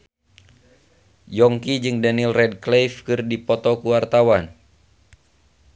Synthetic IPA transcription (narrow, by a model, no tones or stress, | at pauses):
jɔŋkid͡ʒɨŋdanilrɛd̚klejfkɨrdipɔt̪ɔkuwart̪awan